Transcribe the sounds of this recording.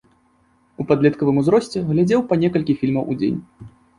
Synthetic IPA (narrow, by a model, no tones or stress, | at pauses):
upad̪lʲɛt̪kɐvɨmuzɾɔsʲt͡sʲɛɣlʲad͡zʲɛwpɐnʲɛkɐlʲkʲifʲilʲmɐwʔud͡zʲḛnʲ